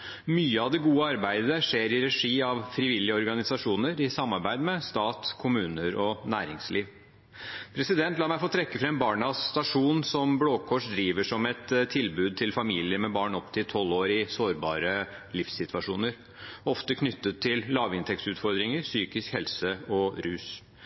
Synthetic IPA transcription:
myːəɑʋd̪ɛɡuːəɑɾbæɪd̪əʂeːɾɪɾɛʂiːɑʋfɾɪʋɪlːɪəɔɾɡɑnɪsɑʂuːnəɾɪsɑmːɑɾbæɪd̪mɛst̪ɑːt̪kʰʊmʉːnəɾɔnæːɾɪŋsliːʋ | pʰɾɛsɪd̪ɛnt̪lɑːmæɪfoːt̪ʰɾɛkːəfɾɑɛmnbɑːɳɑst̪ɑʂuːnsɔmbloːkʰɔʂd̪ɾiːʋəʂɔmɛt̪t̪ʰːɪlbʉːd̪̚t̪ʰɪlfɑmiːlɪəɾmɛbɑːɳɔpt̪ʰɪlt̪ʰɔlːoːɾɪsoːɾbɑːɾə | lɪfsːɪt̪ʰʋɑʂuːnəɾ | ɔft̪əkʰnʏt̪ːət̪ʰːɪllɑːʋɪnt̪ʰɛkt̪ʉːt̪fɔɾd̪ɾɪŋəɾsyːkɪskhɛlsəɔɾʉːs

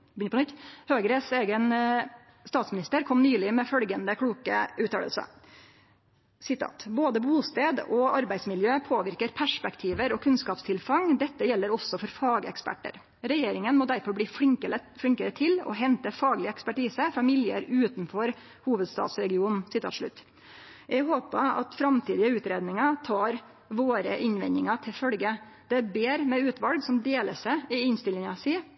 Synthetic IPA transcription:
bʏnəpɔnʏt̪ːhøːɡɾəseːɡən | st̪ɑːt̪smɪnɪst̪əɾkʰɔmnyːlɪmɛfœlɡənd̪əkʰɽuːkə̰ʔʉːt̪ʰɑ̰lə̰lsə̰ | sɪt̪ʰɑ̰ːt̪boːd̪əbuːst̪eːd̪ɔɑɾbæɪsmɪljøːpʰoːʋɪɾkəɾpʰæʂpɛkt̪ʰiːʋəɾɔkʰʉnskɑːpst̪ʰɪlfɑŋd̪ɛt̪ːəjɛlːəɾɔsːɔfɔɾfɑːɡɛ̰kspæ̰ʈːə̰ɾ | ɾɛjeːɾɪŋənmɔːd̪æɾfɔɾbliːfɪŋkəəfɽɪŋkəɾət̪ʰɪlɔ̰ɦɛnt̪əfɑːɡlɪəɛkspæʈiːsəfɑmɪljɪə̰ɾʉːt̪nfɔɾ | huːʋəd̪st̪ɑ̰ːt̪sɾɛɡɪuːnsɪt̪ʰɑ̰ːʂɭʉ̰t̪ː | jɛɡɦoːpəɑ̰t̪fɾɑmt̪ʰiːd̪ɪəʉːt̪ɾeːd̪nɪŋɑt̪ʰɑːɾ | ʋoːɾəʔɪnʋɛ̰nɪŋɑt̪ʰɪlfœlɡə | d̪̥ɛæbeːɾmɛʉːt̪ʋɑlɡsɔmd̪eːləsɛɪɪnst̪ɪlɪŋɑsiː

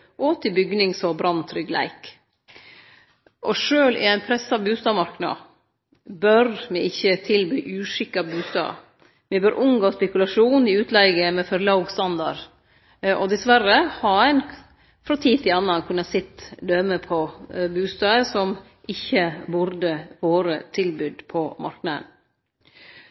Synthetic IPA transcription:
ʔoːt̪ʰɪbʏɡnɪŋsɔbɾɑnt̪ʰːɾʏɡlæ̰ɪk | ʔɔʂøːlʔɪ̰æɪnpʰɾɛsɑbʉːst̪ɑːmɑɾknɑ̰ | bœɾmɪɪçːət̪ʰɪlbyːʔʉːʂɪkːɑbʉːst̪ɑ̰ː | mɪbœɾʔʊmɡoːspɛkʉlɑʂuːnɪʉːt̪ʰlɛɡəmɛfɔɾlɑʊɡst̪ɑnd̪ɑ̰ɾ | ʔɔd̪ɛsʋæɾəhɑæɪn | fɾɑt̪ʰiːt̪ɪlɑnːɑnkʰʉnːɑsɪt̪ːd̪œməpʰɔbʉːst̪ɑːəsɔm | ʔɪçːəbʊɾd̪əʋoːɾət̪ʰɪlbʉːd̪pʰɔmʔɑ̰ɾknɑd̪ə̰n

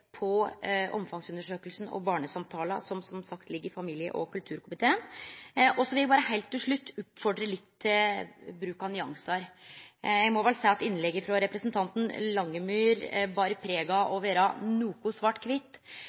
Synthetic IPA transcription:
pʰɔʔɔ̰mfɑŋsʉnːəʂøːkəlsn̩ɔ̰bɑːɳəsɑmt̪ʰɑːlɑ̰sɔmsɔmsɑkt̪lɪɡːəɾɪfɑmiːljə̰ʔɔkʰʉlt̪ʰʉːɾkʊmɪt̪ʰeːənʔɔsɔʋɪljæbɑːɾəhæɪlt̪ːɪlʂɭʉt̪ʰːʊpfɔɖɾəlɪt̪ʰːɪbɾʉːkɑnʏɑŋsɑɾ | jæɡmɔʋɛlsæɪɑt̪ɪnːlɛɡːəfɾɑɾɛpɾəsnt̪ʰɑnt̪n̩lɑŋːəmyːɾbɑːɾəpʰɾeːɡɑʔoʋəɾɑːnuːkʊsʋɑːʈkʰʋɪt̪ː

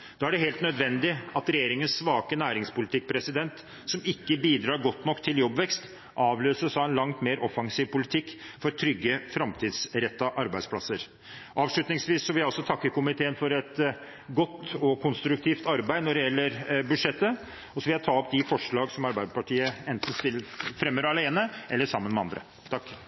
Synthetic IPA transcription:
d̪̥ɑːæɖɛɦeːlt̪nœd̪ʋɛnd̪ɪɑt̪ɾɛjeːɾɪŋənsːʋɑːkənæːɾɪŋspʊlɪt̪ɪk̚ːpʰɾɛsɪd̪ɛnt̪ | sɔmɪkːəbiːd̪ɾɑːɾɡɔt̪ːnɔkːt̪ʰɪljɔbʋɛkst̪ | ʔɑːʋløːsəʂɑʋɛnlɑŋt̪meːɾɔfɑŋsiːʋpʊlɪt̪ʰɪkːfɔɾt̪ʰɾʏɡːəfɾɑmt̪ʰiːd̪sɾɛt̪ːɑʔɑɾbæɪd̪spʰlɑsəɾ | ʔɑːʋʂɭʉt̪nɪŋsʋiːsːɔʋɪljæɪɔlsɔt̪ʰɑkːəkʊmɪt̪ʰeːənfɔɾɛt̪ | ɡɔt̪ːɔkʰʊnst̪ɾʉk̚t̪ʰiːft̪ɑɾbæɪnɔɖɛjɛlːəɾbʉd̪ʂɛt̪ːə | ɔsɔʋɪljæt̪ʰɑːɔp̚d̪ɪfɔʂɭɑːɡsɔmɑɾbæɪd̪əpɑʈʰiːəɛnt̪n̩st̪ɪfɾɛmːəɾɑleːnəʔɛlːəʂɑmːənmɛɑ̰nd̪ɾə̰ | t̪ʰɑkː

